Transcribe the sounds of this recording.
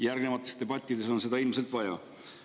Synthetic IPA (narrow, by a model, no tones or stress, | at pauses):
jærɡne̞mɑt̪ːˑe̞st̪e̞b̥ɑt̪ʲˑːid̪̥e̞so̞nse̞d̪ɑilmse̞lt̪vɑjɑ̰